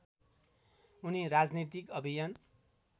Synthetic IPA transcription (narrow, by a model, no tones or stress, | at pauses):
uniɾad͡znit̪ikʌbʱijan